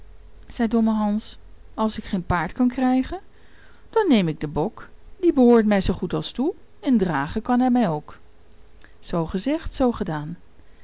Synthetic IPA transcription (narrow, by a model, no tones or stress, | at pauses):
z̥ɛjdɔməɦɑns | ɑlˠsɪkχejnpaːɹtkɑnkrɛjχən | d̥ɑnːejmɪɡ̚dəbɔkdibəɦoːɹtmɛjzowχutɑlˠstu | ɛndraːχəkɑnɦɛjmɛjowk | z̥owχəzɛχtsowχədaːn